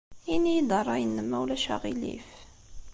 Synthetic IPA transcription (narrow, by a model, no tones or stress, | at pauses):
inːijid̪ərˤːɑjənːəmːæwlæʃæ̰ʁilḭf